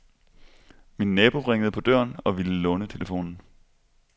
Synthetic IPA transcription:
midnɛːb̥o̝ʁeŋəðˠpʰɒ̽d̥ɶɐnɒ̽ʋiləlɔ̽ːnət͡sʰe̝ləfo̝̰ːnn̩

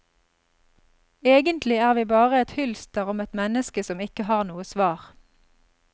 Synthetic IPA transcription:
eːɡənt̪ʰlɪæːʁʋiːbɑːʁəɛt̪hʉlst̪əʁʊmɛt̪mɛnəskəsɔmɪkəhɑːʁnuːəsʋɑːʁ

